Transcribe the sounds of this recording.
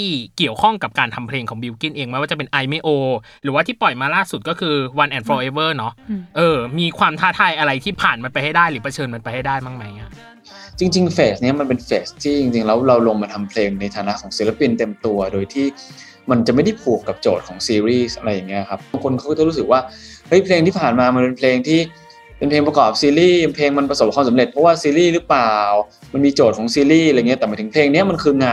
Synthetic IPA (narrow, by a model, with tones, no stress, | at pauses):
t̪iː˥˩ki˨˩əwkʰɔ˥˩ŋka˨˩p̚kaː˧nt̪ʰa˧mpʰleː˧ŋkʰɔː˩˦bi˧wki˥˩nʔeː˧ŋma˦˥jwaː˥˩a˨˩pe˧nʔa˧jme˧˥ʔoː˧ | ɾɯː˦waː˥˩t̪ʰiː˥˩pɔ˨˩jmaː˧laː˥˩su˨˩t̪̚kɔː˥˩kʰɯː˧wa˧nʔɛ˧˩nfɔː˧ʔeː˧wɤː˥˩nɔ˦˥ʔɤː˧miː˧kʰwaː˧mt̪ʰaː˥˩t̪ʰaː˧jʔa˧ɾa˧jt̪ʰiː˥˩pʰaː˨˩nma˧npa˧jha˥jdaː˥˩jɾɯː˩˦pʰa˧t͡ɕʰɤː˧nma˧npa˧jha˥˩jdaː˥˩jmaː˥˩ŋma˦˥ja˦˥˩ | t͡ɕi˧ŋt͡ɕi˧ŋfeː˨˩sni˦˥ɐma˧npe˧nfeː˨˩st̪ʰiː˥˩t͡ɕi˧ŋt͡ɕi˧ŋlɛː˦˥wɾa˧wlo˧ŋmaː˧t̪ʰa˧mpʰleː˧ŋna˧jt̪ʰaː˨˦na˦˥ʔkʰɔː˩˦ŋsi˨˦la˧pi˧nt̪e˧mt̪u˧ɐdoː˧jt̪ʰiː˥˩ | ma˧nt͡ɕa˨˩ʔma˥˩jda˥˩jpʰu˨˩kːa˨˩p̚t͡ɕoː˨˩t̪̚kʰɔː˩˦ŋsiː˧ɾiː˥˩sʔa˧ɾa˧jːa˨˩ŋːi˦˥ɐ˩kʰa˦˥p̚aː˧ŋkʰo˧nka˥˩kt͡ɕa˨˩ɾuː˦˥sɯ˨˩k̚waː˥˩hɤ˦˥jpʰleː˧ŋt̪ʰiː˥˩pʰaː˨˩nmaː˧ma˧npe˧npʰleː˧ŋt̪ʰiː˥˩ | pe˧npʰeː˧ŋpɾkɔː˨˩p̚siː˧ɾiː˥˩pʰleː˧ŋma˧npɾa˧so˨˩p̚kʰaː˧msa˩˦le˨˩t̪̚pʰɔ˦˥waː˥˩siː˧ɾiː˥˩ɾɯ˦˥paː˨˩w | ma˧nmiː˧t͡ɕoː˨˩t̪̚kʰɔː˩˦ŋsiː˧ɾiː˥˩ɾa˧˨ŋi˦˥t̪ːma˦˩t̪ʰɯ˩˦ŋpʰleː˧ŋni˦˥ɐma˧nkʰɯː˧ŋaː˧